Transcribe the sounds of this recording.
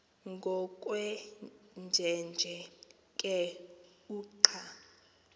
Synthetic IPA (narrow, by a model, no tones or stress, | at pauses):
ŋɡʱɔkʼwɛnd͡ʒʱɛnd͡ʒʱɛ | kʼɛ | uːǃʰa